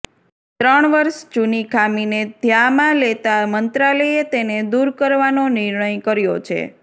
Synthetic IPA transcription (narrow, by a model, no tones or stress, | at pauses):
t̪ɾəɳʋəɾʃd͡ʒunikʰamined̪ʱjamãlet̪amənt̪ɾaleet̪ened̪uɾkəɾʋanonɪɾɳəjkəɾjo̰t͡ʃʰḛ